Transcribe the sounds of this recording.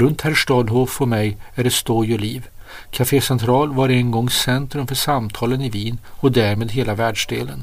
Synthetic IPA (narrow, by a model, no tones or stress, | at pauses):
ɾɵnt̪hæɾʂʈ̪ɑːd̪ɦoːfɔmɛjæɖɛst̪ɔjɔliːv | kʰafeːsɛnt̪ʰɾɑːlvaɾɛnɡɔŋːsɛnt̪ɾɵmfœʂamt̪ʰɑːlənɪviːnɔd̪æɾmeːd̪ɦeːlavæːɖʂɖ̪ḛːlə̰n